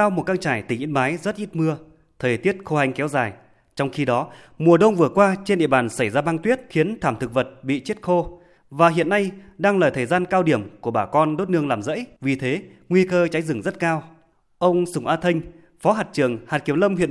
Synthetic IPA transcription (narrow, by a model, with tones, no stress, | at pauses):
aː˧wmo˨˩t̚kaː˧ŋt͡ɕaː˧˩jt̪ï˧˩ŋ̟ʔḭ˧˥ənmaː˨˦jzə˦˥t̚ʔi˦˥t̚mɨ˧ə | t̪ʰəː˨˩jt̪i˦˥ət̚xo˧ha˧jŋ̟kɛ˨˦wzaː˨˩j | t͡ɕɔ˧wŋ͡mxi˧ɗɔ˨˦ | mu˨˩əɗə˧wŋ͡mvɨ˨˩əkwaː˧t͡ɕe˧nɗḭ˧˨əɓaː˨˩nsa˧˩jzaː˧ɓaː˧ŋt̪wi˦˥ət̚xi˨˦ənt̪ʰaː˧˩mt̪ʰɨ˨˩k̚və˨˩t̚ɓḭ˧˨t͡ɕi˦˥t̚xo˧ | vaː˨˩ɦḭ˧˨ənːa˧jɗaː˧ŋlaː˨˩t̪ʰəː˨˩jzaː˧nkaː˧wɗi˧˩əmku˧˩əɓaː˧˩kɔ˧nɗo˦˥t̚nɨ˧əŋlaː˨˩mzə̰˧˥jvi˨˩t̪ʰe˨˦ | ŋwi˧kəː˧t͡ɕa˨˦jzɨ˨˧˩ŋzə˦˥t̚kaː˧w | ʔə˧wŋ͡msʊ˧˩ŋ͡mʔaː˧t̪ʰə˧jŋ̟ | fɔ˨˦ɦaː˨˩t̚t͡ɕɨ˨˧˩əŋhaː˨˩t̚ki˨˧˩əwlə˧mhḭ˧˨ən